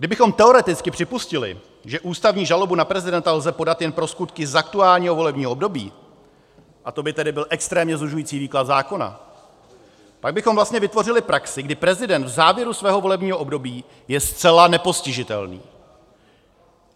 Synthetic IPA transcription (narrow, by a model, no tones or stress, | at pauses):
ɡdɪbɪxo̞mt̪ɛo̞ɾɛt̪ɪt͡skɪpr̝̥ɪpuscɪlɪ̰ | ʒɛʔuːst̪avɲiːʒalo̞bunapɾɛzɪdɛnt̪alzɛpo̞dat̪jɛnpɾo̞skut̪kɪzak̚t̪uaːlɲiːɦo̞vo̞lɛbɲiːɦoʔobdo̞bḭː | ʔat̪o̞bɪt̪ɛdɪbɪlʔɛkst̪ɾɛːmɲɛzluʒujiːt͡siːviːklat̪zaːko̞na̰ | paɡ̚bɪxomvlast̪ɲɛvɪt̪vo̞rɪlɪpɾaksɪɡdɪpɾɛzɪdɛnt̪vzaːvjɛɾusvɛːɦo̞vo̞lɛbɲiːɦoʔobdo̞biː | jɛst̪t͡sɛlanɛpo̞scɪʒɪt̪ɛ̰lnḭː